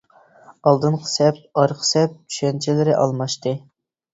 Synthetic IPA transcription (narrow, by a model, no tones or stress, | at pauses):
ɑlˠd̪ɨnqʰə̥sɛp̚ɑɾqʰə̥sɛp̚t͡ʃʰy̥ʃɛnt͡ʃʰilɪɾɪʔɑ̰lˠmɑʃt̪ɨ